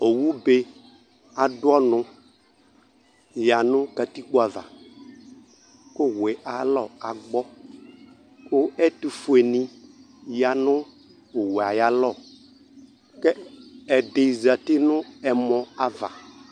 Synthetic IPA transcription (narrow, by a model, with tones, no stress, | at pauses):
o˨wu˦be˦ | a˨dʊ˦ɔ˦nʊ̃˦ | ja˨nʊ̃˦ka˨t̪i˦k͡po˦a˨va̰˨ | kʊ˦wɛ˨ʔa˨lɔ˦˨a˨ɡ͡bɔ˦ | kʊ˦ɛ˦tu˨fu˨e˨nĩ˨ | ja˨nʊ̃˦˨ | we˨a˨ja˦lɔ˦˨ | kɛ˦ɛ˨de˨za˨t̪ɪ˦nʊ̃˦ɛ˨mɔ̃˨a˨va̰˨